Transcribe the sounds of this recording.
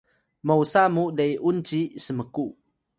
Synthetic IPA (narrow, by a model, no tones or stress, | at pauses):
məwsamudəjʔunt͡ɕisəməku